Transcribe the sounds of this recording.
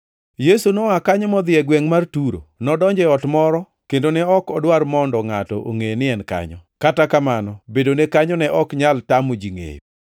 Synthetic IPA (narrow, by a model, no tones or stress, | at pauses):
jesunɔakaɲɔmɔd̪ɪɛɡwɛŋmartuɾo̰nɔdɔɲd͡ʒɛɔtmɔɾɔ | kendonɛɔkɔdwarmɔndɔŋatɔ̰ʔo̰ŋenɪɛnka̰ɲɔ̰katakamanɔbedonekaɲɔnɛʔɔkɲaltamod͡ʒiŋḛj